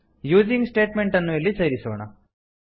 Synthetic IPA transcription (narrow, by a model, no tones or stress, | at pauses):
juːd͡ʒiŋɡsʈeːʈmeɳʈɐnːuilːisɐjɾiso̰ːɳɐ̰